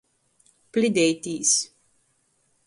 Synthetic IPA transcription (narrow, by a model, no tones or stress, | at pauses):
plid̪ejt̪iːs